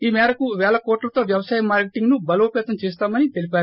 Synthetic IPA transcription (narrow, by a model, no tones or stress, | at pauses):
iːmɛːɾɐkuʋɛːɭɐkoːʈlɐt̪o̞ːʋjɐʋɐsaːjɐmːaːɾkeʈiŋɡnubɐloːpɛːt̪ɐmt͡ʃeːst̪aːmɐnit̪elipaːɾu